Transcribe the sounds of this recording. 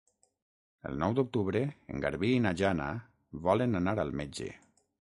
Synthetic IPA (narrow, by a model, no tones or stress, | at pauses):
ə̰lˠnɔwd̪uk̚t̪uβɾeḛŋɡa̰ɾβiːnaʒana̰ | βɔlənanaɾalˠmed͡ʒḛ